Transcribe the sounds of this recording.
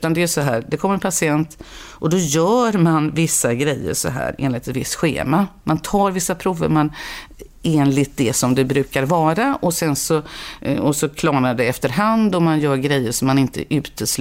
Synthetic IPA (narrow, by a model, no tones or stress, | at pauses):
t̪and̪ɛæʂɔɦæːɾd̪ɛkʰɔmːəɛnpʰasɪɛnt̪ʔɔd̪ɔjœːɾmanvɪsːaɡɾɛjːə̰ɾʂɔ̰ɦæ̰ːɾḛːnlɪt̪ːɛt̪vɪst̪ɧḛːmamʔant̪ʰɑːɾvɪsːapʰɾuːvə̰ɾman | eːnlɪt̪̚d̪ɛsɔmd̪ɛbɾʉ̟ːkaɾvɑːɾaʔɔsɛnsɔɔsɔkʰlɑːnaɖɛɛft̪əɾɦand̪ɔmanjœːɾɡɾɛjːəɾʂɔmːanɪnt̪ə̰ʔʉ̟ːt̪ʰəs